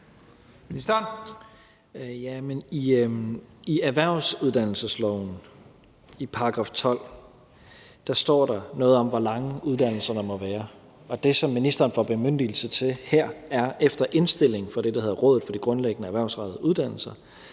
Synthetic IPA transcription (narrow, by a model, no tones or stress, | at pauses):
jæmeni | iæʋæɐ̰ʊsuð̞ˠd̥æn̰l̩səslɒʊn̩ | ipʰɑ̈ɑ̈ɡ̥ʁɑ̈ːft͡sʰɒ̽l̰ | d̥ɑ̈sd̥ɒ̰ːɾɑ̈nɔ̽ːð̞̩ˠɒ̽mʋɒlɑ̈ŋəʔuðˠd̥æn̰l̩sɐnɑmɒ̽ʋæːɐ | ɒ̽d̥e̝sɒ̽mːinisd̥ɐːnfɒb̥e̝møn̰d̥il̩sət͡sʰe̝lheɐ̰æɐefd̥ɐʔe̝nsd̥e̝l̰e̝ŋ̩fɒ̽ɾ̥e̝d̥ɑ̈he̝ðˠʁɔ̽ðð̩ˠfɒ̽d̥iɡ̥ʁɔ̽nleɡ̥ənəæʋæɐʊsʁɑ̈dðˠəuð̞ˠd̥æn̰l̩sɐ